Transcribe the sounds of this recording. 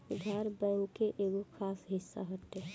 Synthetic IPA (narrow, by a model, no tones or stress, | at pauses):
ɡʱaɾbəũkeʔeːɡokʰaːsɦɪsːa̰ɦɔt̪e